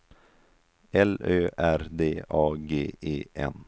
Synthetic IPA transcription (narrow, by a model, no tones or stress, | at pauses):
ɛløːʔæɾd̪eːɑːɡeːeːʔɛ̰n